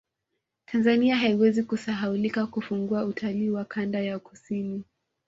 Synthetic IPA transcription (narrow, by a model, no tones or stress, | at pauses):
tʰanzaniaɦaiwɛzikusaɦaulikakufuŋɡuautʰaliːwakʰandajaku̥sini